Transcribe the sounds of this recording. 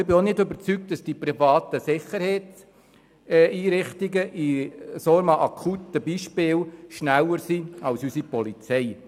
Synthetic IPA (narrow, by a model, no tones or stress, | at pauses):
ɪbɪonɪdøbəɾt͡syk̚t̚d̥ɑsd̥ipɾifɑːt̪əsɪχəɾhɛɪs | iːɾɪχtɪɡəʔisoɾmɑʔɑkʰutəbiːʃpɪːlʃnælːəɾsiɑlsysipɔlit͡sɛɪ